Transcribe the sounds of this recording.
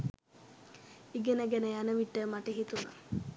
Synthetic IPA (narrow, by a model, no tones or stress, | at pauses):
iɡenəɡænəjanəʋiʈːəmaʈəɦit̪una